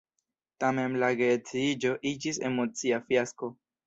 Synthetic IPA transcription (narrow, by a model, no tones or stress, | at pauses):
tame̞nlaɡet͡siid͡ʒo̞ʔid͡ʒise̞̰mo̞t͡siafjasko̞